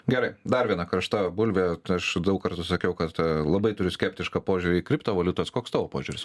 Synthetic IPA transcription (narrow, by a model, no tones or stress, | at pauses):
ɡʲɛɾɐɪd̪ɐɾʋʲiɛnɐkɾɐʃt̪ɑbʊlʲʋʲɛɐʃd̪ɐʊkkɐɾt̪ʊsɐkʲɛʊkɐt̪lˠɐbɐɪt̪ʊɾʲʊsʲkʲɛpʲt̪ʲɪʃkɐpoːʒʲʊɾʲɪkɾʲɪpt̪ɐʋɐlʲʊt̪oːskoːkst̪ɑːʋoːpoːʒʲʊɾʲɪs